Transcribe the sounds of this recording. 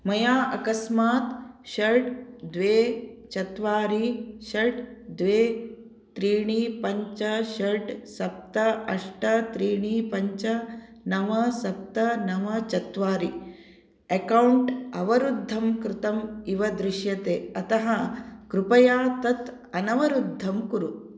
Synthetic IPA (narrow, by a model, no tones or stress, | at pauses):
mɐjaːʔɐkɐsmaːt̪ʃɐɖd̪ʋeːt͡ʃɐt̪ʋaːɾiʃɐɖd̪ʋeː | t̪ɾiːɳ̃iːpɐɲt͡ʃɐʃɐɖsɐp̚t̪ɐɐʂʈɐt̪ɾiːɳ̃iːpɐɲt͡ʃɐnɐʋɐsɐp̚t̪ɐnɐʋɐt͡ʃɐt̪ʋaːɾi | ɐkɐwɳʈɐʋɐɾud̪ʱːɐmkɾɪt̪ɐmiʋɐd̪ɾɪʃjɐt̪eːɐt̪ɐɦɐkɾupɐjaːt̪ɐt̪ | ɐnɐʋɐɾud̪ʱːɐmkuɾu